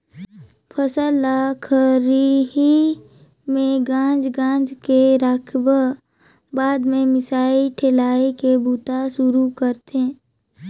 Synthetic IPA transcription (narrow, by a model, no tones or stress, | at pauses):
pʰəsəlakʰəɾiɦi | mẽɡãːd͡ʒɡãːd͡ʒkeɾaːkʰbə | baːd̪mẽmɪsaːiʈʰeːlaːekebuːt̪aʃʊɾukəɾt̪eɦɛ̃ː